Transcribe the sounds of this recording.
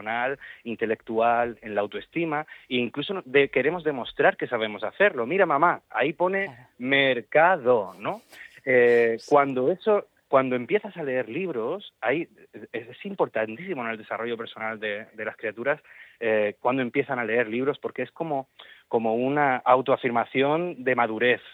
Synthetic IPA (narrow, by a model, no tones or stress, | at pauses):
onalint̪e̞le̞kt̪uale̞nlaːwt̪oe̞st̪imaiːŋkluso̞ðeke̞ɾe̞mo̞zðe̞mo̞st̪ɾaɾke̞saβ̞e̞mo̞saθe̞ɾlo̞miɾamãmaa̰ipo̞ne̞ | me̞ɾkaðo̞no̞ekwand̪o̞e̞so̞ | kwand̪o̞e̞mpje̞θasale̞eɾliβ̞ɾo̞saj | eesimpo̞ɾt̪ant̪isimo̞ne̞ld̪e̞saro̞ʝo̞pe̞ɾso̞nald̪e̞d̪e̞laskɾiat̪uɾasekwand̪oe̞mpje̞θanale̞e̞ɾliβ̞ɾo̞spo̞ɾke̞esko̞mo̞ko̞mo̞unaʔawt̪oafiɾmaθjo̞nd̪e̞maðuɾe̞θ